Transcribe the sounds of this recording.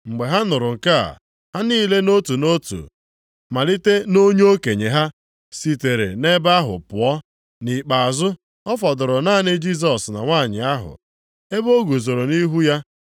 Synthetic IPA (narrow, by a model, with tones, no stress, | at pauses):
ŋ͡m̩˨ɡ͡be˨ɦa˦nʊ˨ɾʊ˨ŋ̩˨ka̰˦˨ | ha˦niː˦˨le˦no˦tu˨no˦tṵ˨ | ma˨li˦te˦no˦ɲ˦o˦ke˨ɲe˨ɦa˦ | si˨te˨ɾḛ˨ne˦ba˦ɦʊ̰˨pʊ˨ɔ˦ | ni˨k͡pa˨a˨zʊ˦ | ɔ˦fɔ˨dʊ˨ɾʊ˨naː˦˨nɪ˦d͡ʒi˦s̬ɔ˨sna̰˨ŋʷaː˦˨ɲɪ˨a˦ɦʊ̰˨ | e˦bo˦ɡu˨zo˨ɾo˨ni˦ɦu˦ja˦